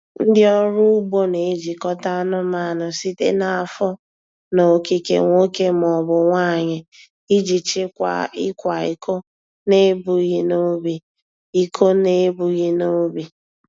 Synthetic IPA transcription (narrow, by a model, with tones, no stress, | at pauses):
n̩˦dɪ˦ɔ˦ɾʊ˦u˦ɡ͡bo˦ne˨e˦d͡ʒi˨kɔ˦ta˦nʊ˦ma˦˨nʊ˨si˦tḛ˦na˨a˨fɔ˦ | no˨ki˦kḛ˨ŋʷo˦ke˦m˨ɔ˨bʊ˨ŋʷa˦˨ɲɪ˨ | i˦d͡ʒi˨t͡ʃɪ˦a̰˨ɪ˦kʷa˨i˨ko˦ | ne˦bu˨ɣi˦no˦bi˨ | i˨kʰo˦ne˦bu˨ɣi˦no˦bi˨